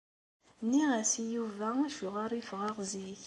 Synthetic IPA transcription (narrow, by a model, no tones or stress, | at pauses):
niʁæsijuvæʃuʁaɾˤifʁaʁziç